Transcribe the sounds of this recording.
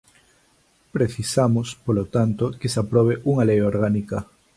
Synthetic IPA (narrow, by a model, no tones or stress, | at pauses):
pɾeθisamospolot̪ant̪okesapɾɔβ̞eʔuŋalejoɾɣanikɐ